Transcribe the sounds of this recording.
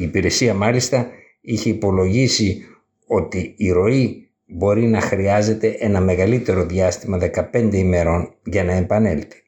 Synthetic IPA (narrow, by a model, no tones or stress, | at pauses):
iːpiɾe̞siɐmɐlist̪ɐ | içe̞ipo̞lo̞ʝisi | o̞t̪iːɾo̞i | bo̞ɾinɐxɾiɐze̞t̪e̞ʔe̞nɐme̞ɣɐlit̪e̞ɾo̞ðiɐst̪imɐðe̞kɐpe̞nd̪e̞ime̞ɾo̞nʝɐnɐempɐne̞̰lt̪e̥